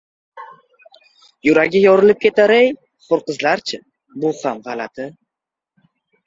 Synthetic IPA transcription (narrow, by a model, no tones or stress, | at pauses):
jʊɾaɡʲɪjɒɾɪlɪp̚kʲʰe̞t̪aɾej | qoɾqɨzlaɾt͡ʃʰɪ | bʊhamʁɑlat̪ʰɪ